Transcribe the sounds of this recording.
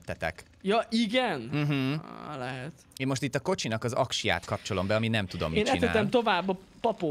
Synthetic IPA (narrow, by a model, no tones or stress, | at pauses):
t̪ːɛt̪ɛ̰k | jɒʔiɡɛnm̩ɦ̩lɛɦɛt̪eːnmo̞ʃt̪it̪ːɒko̞t͡ʃinɒkɒzɒkʃija̰ːt̪kɒpt͡ʃo̞lo̞mbɛɒminɛmt̪ud̪o̞̰meːnɛinɛa̰ːɛmt̪o̞vaːbːɒ | pɒpo